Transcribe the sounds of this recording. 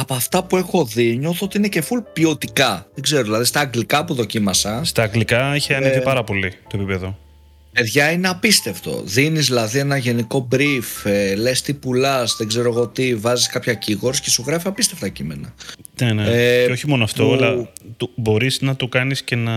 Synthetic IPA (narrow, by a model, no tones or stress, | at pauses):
ɐpoɐft̪ɐpue̞xo̞ðiɲo̞ðoot̪iine̞ce̞fulpio̞t̪ikɐðeɡze̞ɾo̞ðilɐðist̪ɐːŋɡlikɐpuðocimɐsɐst̪ɐːŋɡlikɐiçeɐniðipɐɾɐpo̞lit̪oepipe̞ðo̞ | pe̞ðʝɐine̞ɐpist̪e̞ft̪o̞̰ðinizðilɐðie̞nɐʝe̞niko̞bɾifele̞st̪ipulɐsðeɡze̞ɾo̞eɣot̪ivɐziskɐpçɐciɣo̞ɾsce̞suɣɾɐfiɐpist̪e̞ft̪ɐcime̞nɐ̰neneeo̞çimo̞noɐft̪o̞ɐlɐt̪ubo̞ɾiznɐt̪okɐnisce̞nɐ